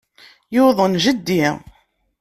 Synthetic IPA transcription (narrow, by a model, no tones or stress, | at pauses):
jʊðˤənʒəd̪ːi